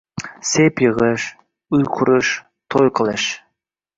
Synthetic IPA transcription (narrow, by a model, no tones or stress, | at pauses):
sepjɤʁəʃ | ujqʰuɾəʃ | t̪ʰojqəlˠəʃ